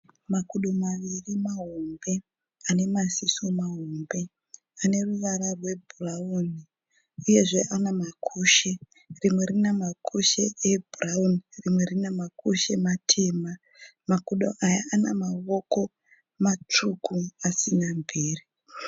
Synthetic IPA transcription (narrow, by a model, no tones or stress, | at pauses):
makuɗomaʋirimaɦombe̞ | ane̞masisomaɦombe̞ | ane̞ruʋaɾarwe̞bʱurauni | uje̞ʐe̞ʔanamakʰuʃe | rimweɾinemakʰuʃe̞̰ebʱuraunirimwe̞rinemakʰuʃe̞matʰe̞ma | makuɗo̰ʔajaanamaʋoko̞ | mat͡ʂukʰuasinambiːri